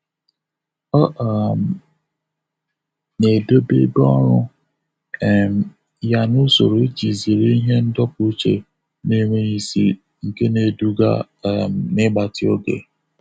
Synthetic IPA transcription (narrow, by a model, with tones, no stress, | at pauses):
ɔ˦ʔa˨m˨ | ne˨do˦be˦bɔ˦ɾʊ˦˨ | m˨ | ja˦nʊ˦so̰˨ɾo˨e˦d͡ʒi˨zi˨ɾi˦i˦ɦe˦n̩˦dɔ˦pu˦t͡ʃḛ˨ | ne˦me˦ɣi˦sḭ˦ | ŋ̩˨ke˦ne˨du˦ɡa̰˦˨ | nɪ˦ɡ͡ba˨tɪ˦o˦ɡḛ˨